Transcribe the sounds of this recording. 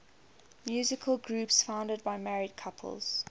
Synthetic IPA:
mjʉːzɪkʰəlˠɡɹʉːˑpsfãʊ̃ndəd̚baɪmɛɹɪd̚kʰapʰə̰lˠz̥

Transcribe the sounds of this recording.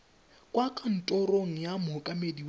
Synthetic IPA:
kʼwakʼan̩tʼɔroŋ̩jamʊɦʊkʼamediw

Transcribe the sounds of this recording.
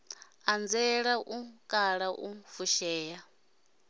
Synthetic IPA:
and͡zɛɺaʔukʼaɺaʔufuʃɛːja

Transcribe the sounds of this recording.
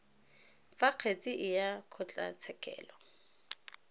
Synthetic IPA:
faq͡χʰet͡sʼɪʔɪjakʰɔt͡ɬʼa̰t͡sʰɛkʼɛ̰ːlɔ

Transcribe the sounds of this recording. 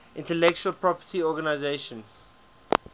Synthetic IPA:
ʔɪ̃ntɛlɛk̚t͡ʃuəlpɹɔpətiɔːɡanaɪzeʃə̃n

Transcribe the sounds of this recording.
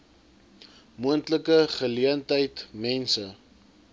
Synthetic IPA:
muəntləkəχəliəntəjtmɛnsə

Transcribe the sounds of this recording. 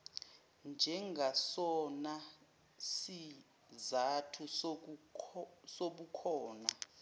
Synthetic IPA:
nd͡ʒʱɛŋɡʱasɔna | si | zatʰu | soɓukʰɔːna

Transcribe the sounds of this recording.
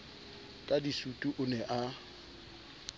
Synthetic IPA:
kʼadisutʼuʔʊnɛʔa

